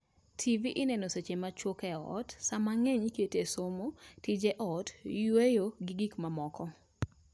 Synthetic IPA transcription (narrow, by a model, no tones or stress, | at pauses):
tʰiviʔɪnɛnoset͡ʃemat͡ʃwokɛɔ̰tsamaŋeɲketesomotid͡ʒeʔɔtjwejoɡɪɡikmamɔkɔ